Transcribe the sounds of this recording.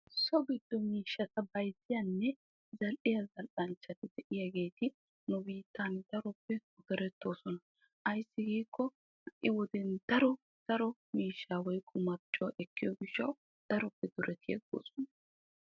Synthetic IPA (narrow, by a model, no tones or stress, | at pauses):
sɔɡɪd̪ːɔmiːʃːɐt̪ɐbɐjsɪjɐnːɛ | zɐlʔɪjɐzɐlʔɐnt͡ʃːɐt̪ɪd̪ɛʔɪjɐɡe̞ːt̪ɪ | nʊbiːt̪ːaːnd̪̥ɐɾɔpːɛʊd̪ɛɾɛt̪ːo̞ːsɔnɐ | ʔɐjsːɪɡiːkːɔ | hɐʔɪwɔd̪ɛnd̪̥ɐɾɔ | d̪̥ɐɾɔmiːʃːaːwɔjkʼːʊmɐt͡ʃʼːɔwɐʔɛkːɪjɔɡɪʃːɐw | d̪̥ɐɾɔpːɛd̪̥ʊɾʔɛt̪ʰḛːɡo̰ːsɔ̥nɐ